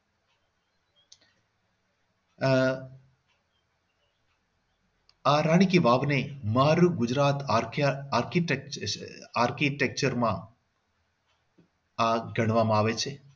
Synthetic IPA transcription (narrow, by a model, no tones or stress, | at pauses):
aɾaːɽ̃ikiʋaːʋnemaɾuɡʊd͡ʒɾaːt̪ | aːɾkiʈ | aɾkiʈek̚t͡ʃəɾmã | aɡəɽ̃ʋamãaːʋet͡ʃʰe